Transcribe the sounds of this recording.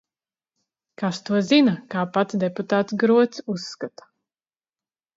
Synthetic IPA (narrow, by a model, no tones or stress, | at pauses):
kast̪uɔzinakaːpat̪sd̪ɛput̪aːt̪sɡɾuɔt̪susːkat̪ḁ